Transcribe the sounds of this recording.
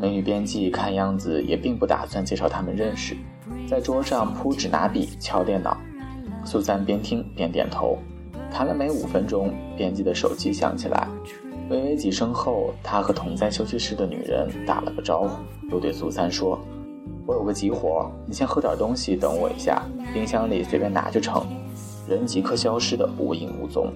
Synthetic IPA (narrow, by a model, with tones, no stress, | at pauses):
me˧˥ɪy˨˧˩pjɛ˥nt͡ɕi˥˩kʰa˥˧njɑ˥˩ŋd͡zɹ̩˩jʔɛ̰˨˩pi˥˧ŋpu˥˩t̪a̰˨˩swa˥˧nt͡ɕjɛ˥˧˩ʂɑ˥˩ʊt̪ʰa˥mə˨nɻə˥˧˩nʂɻ̩˩ | t͡sa˥˩ɪʈ͡ʂwɔ˥ʂɑ˥˩ŋpʰu˥ʈ͡ʂɻ̩˨˩na̰˧˥pḭ˨˩t͡ɕʰjɑ˥ʊt̪jɛ˥˩nɑ̰˨˩˦ʊ | su˥˩sʰa˥npjɛ˥nt̪ʰi˥ŋpjɛ˥nt̪jɛ̰˨˩nt̪ʰo̰˧˥ʊ | t̪ʰa˧˥nə˨˩nme˧˥ɪu˨˩fə˥nʈ͡ʂʊ˥ŋpjɛ˥nt͡ɕi˥˩d̪ə˩ʂo̰˨˩ʊt͡ɕi˥ɕjɑ̰˧˥ŋt͡ɕʰi˨˩lʔa̰˧˥ɪ | we˥˩ɪwe˥˩ɪt͡ɕi˧˥ʂɤ˥ŋxo˥˩ʊt̪ʰa˥xɤ˧˥t̪ʰʊ˧˥ŋt͡sa˥nɕjo˥ʊɕi˥˧ʂɻ̩˥˩d̪ə˨ny̰˨˩ɻə̰˧˥nt̪a̰˨˩lə̰˧˦pu˥˩ʈ͡ʂɑ˥ʊxu˨˥ | jo˥˧t̪we˥˧ɪsu˥˩sʰa˥nʂwɔ˥ | wɔ˧˥jo˨˩ʊɡə˧˦t͡ɕi˧˥xwɔ̰˧˥ni˨˩ɕjɛ˥nxɤ˧˥ʈ͡ʂɑ˨˩t̪ʊ˥ŋɕi˨t̪ɤ̰˧˩ŋwɔ̰˨˩ḭ˧˥ɕja̰˥˩pi˥ŋɕjɑ˥ŋli˨˩swe˨˥ɪpjɛ˥˩na̰˨˩t͡ɕjo˥˩ʈ͡ʂʰɤ̰˧˥ŋ | ɻə˧˥nt͡ɕi˧˥kʰɤ˥ɕjɑ˥ʊʂɻ̩˥d̪ə̰˨pṵ˧i˧˩ŋṵ˥˩t͡sʊ̰˥ŋ